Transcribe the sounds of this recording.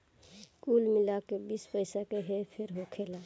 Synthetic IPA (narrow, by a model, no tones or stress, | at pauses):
kuːlmɪlakebiːspəɪsakeɦepʰɪɾɦokʰelaː